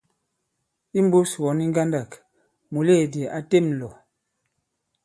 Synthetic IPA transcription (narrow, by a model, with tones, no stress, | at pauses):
i˦m̩˦bu˦swɔ˨˦ni˦ŋ˦ɡa˦nda˦˨k | mu˨le˦˨di˨ʔa˨te˦˨mlɔ˨